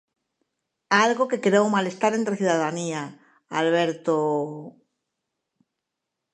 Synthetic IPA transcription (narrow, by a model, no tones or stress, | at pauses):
alɣoke̞keɾowmale̞st̪aɾent̪ɾeθjuðaðania | alβ̞eɾt̪o